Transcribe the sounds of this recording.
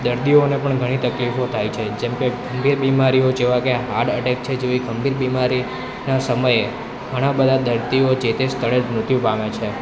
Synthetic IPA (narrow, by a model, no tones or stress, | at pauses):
d̪əɾt̪ionepəɳɡʱəɽ̃it̪əklifot̪ʰajt͡ʃʰed͡ʒɛmkeɡəmbiɾbimaɾiod͡ʒeʋãkeɦaɽəʈek̚t͡ʃʰed͡ʒeʋiɡəmbiɾbimaɾi | nasəməje | ɡʱəɽ̃abəd̪ʱad̪əɾt̪iod͡ʒet̪est̪ʰəɭ̃ed͡ʒnut̪jũpamet͡ʃʰe